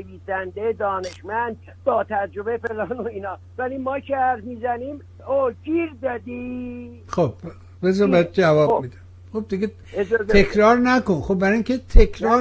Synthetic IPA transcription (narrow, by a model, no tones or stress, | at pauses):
eviːsænd̪ed̪ɒːne̞ʃmænd̪̚ | bɒːt̪ʰæd͡ʒɾobefelɒːnoiːnɒː | vælimɒːcʰehæɾfmiːzæniːm | od͡ʒiːɾzæd̪i | xob̥ | bezɒbæjd̪̚d͡ʒævɒːbbmid̪æm | χob̚d̪iɡʲe | ekʰɾɒːɾnækonxob̚bæɾɒiŋkʰʲet̪ʰekʰɾɒː